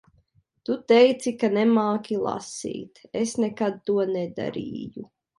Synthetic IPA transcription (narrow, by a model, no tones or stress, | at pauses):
t̪ut̪ɛjt̪sikanɛmaːkʲilˠa̰sḭːt̪esnɛkad̪̚t̪uɔnɛd̪a̰ɾḭːju